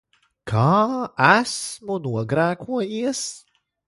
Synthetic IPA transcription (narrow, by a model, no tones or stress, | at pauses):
kʰaːæsmunuɔɡɾæːkʰuɔjiɛs